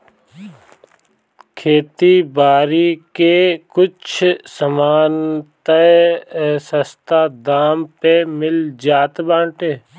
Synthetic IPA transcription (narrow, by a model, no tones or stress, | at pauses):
kʰeːt̪ibaːɾikekʊt͡ʃʰsəmaːnt̪ə | səst̪ad̪aːmpemɪld͡ʒaːt̪bãːʈeː